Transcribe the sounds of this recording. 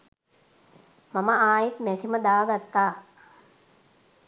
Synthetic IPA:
maməaːjit̪mɛsiməd̪aːaɡat̪ːaː

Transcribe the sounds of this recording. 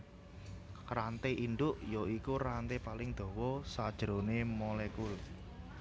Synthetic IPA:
rant̪eʔinɖ̪ʊʔjɔikurant̪epalɪŋd̪̥o̤wɔsad̥ʒ̥ɾonemolɛkul

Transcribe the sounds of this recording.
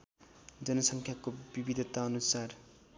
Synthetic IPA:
d͡zʌnʌsʌŋkʰjakobibid̪ʱʌt̪aʌnusar

